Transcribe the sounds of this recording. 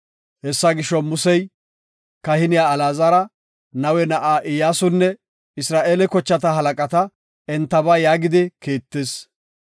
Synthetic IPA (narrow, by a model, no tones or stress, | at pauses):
hɛsːɐɡɪʃɔmʊsɛj | kɐhɪnɪjaːlaːzɐɾɐ | nɐwɛnɐʔaːʔɪjaːsʊnːɛ | ɪsɾaːʔeːlɛkɔt͡ʃːɐt̪̬ɐɦɐlɐkʼɐt̪ɐ | ɛnt̪ːɐbaːjaːɡɪd̪ɪkeːt̪ːeːs